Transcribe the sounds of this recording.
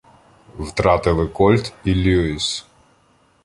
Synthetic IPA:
wt̪ɾɑt̪ɪlˠɪkɔlʲt̪ilʲuis

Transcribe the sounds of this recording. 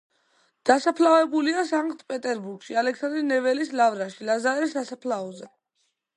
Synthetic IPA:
d̪̥asapʰlavɛbuliasaŋɡʼt̪ʼpʼɛt̪ʼɛɾbuɾɡ̥ʃialɛksand̪ɾinɛvɛlislavɾaʃilazaɾɛsasapʰlaɔzɛ

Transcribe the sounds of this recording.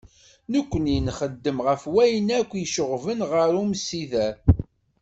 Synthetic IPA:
nəkʷːənjənχəd̪ːəmʁəfwæjnækʷːjəʃəʁvənʁəɾumsiðæ

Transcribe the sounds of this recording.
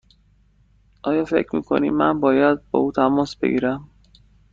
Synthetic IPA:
ʔɒːjɒːfe̞cʰɾmḭːkʰo̞̰nḭːmːænbɒːjæd̪̚bɒ̰ːuːt̪ʰæmɒːsb̥e̞̰ɟiːɾæm

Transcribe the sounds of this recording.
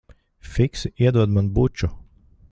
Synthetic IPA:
fiksiɛd̪uɔd̪manbut͡ʃu

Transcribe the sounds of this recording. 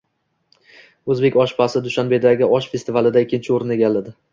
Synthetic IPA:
ɵzbe̞kʲɒʃpʰasɪd̪ʊʃanbe̞d̪aɡʲɪɒʃfe̞st̪ʰɪvalɪd̪aɪkʲʰːɪnt͡ʃʰɪoɾɪne̞ɡʲalːad̪ɪ

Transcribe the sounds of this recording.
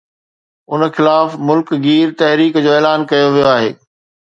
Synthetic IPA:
ʊn̆xɪlaːfmʊlkɡiːɾt̪ɐɦɾiːkd͡ʑoːeːlaːnkɐjoʋijoaːɦḛː

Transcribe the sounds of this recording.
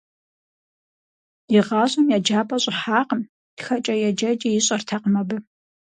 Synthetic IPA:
jɪʁɑːʑʷʼɐmjad͡ʒaːpʼɐɕʼʊħaːqəm | d̥xɐt͡ʃʼɐjɛd͡ʒɐd͡ʒʼɐjɪɕʼɐrtʰɐqmɐbɨ

